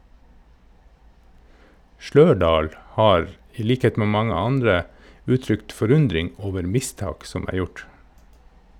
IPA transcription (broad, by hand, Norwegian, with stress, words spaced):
ˈʃløːɖɑːl ˈhɑːɾ ˈiː ˈliːkheːt ˈmeː ˈmɑŋə ˈɑndɾə ˈʉːˌtɾʏkt fɔˈɾʉndɾɪŋ ˈoːʋəɾ ˈmɪˌstɑːk ˈsɔm ˈæː ˈjʊʈ